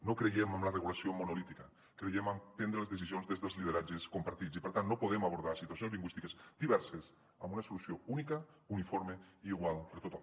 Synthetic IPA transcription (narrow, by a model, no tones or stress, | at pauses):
nokɾejemamlareɣulasjomonolit̪ika | kɾejemamp̪end̪ɾelezðes̬isjonzðezðelˠzlið̞eɾad͡ʒeskompaɾt̪it͡ssipeɾt̪anːnopoðemaβoɾðasit̪wasjonzliŋɡwist̪ikezd̪iβɛɾses | amunasolusjounika | unifoɾmeiːɣwalpeɾt̪ot̪o